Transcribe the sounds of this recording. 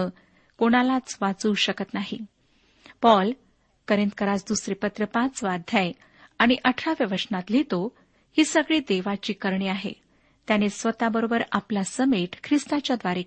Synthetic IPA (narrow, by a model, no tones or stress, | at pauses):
ə | koɽ̃alat͡sʋat͡suːɕəkət̪naɦḭ | pɔl | kəɾint̪̚kəɾat͡sd̪usɾepət̪ɾəpãt͡sʋad̪ʱjaj | aɽ̃iʔəʈʰɾaʋjəʋəʂnat̪lit̪o | hiːsəɡɭiːd̪eʋat͡ɕiːkəɾɳiːaɦḛ | t̪janesʋət̪abəɾobəɾaplasəmeʈkʰɾist̪at͡ɕjad̪ʋaɾi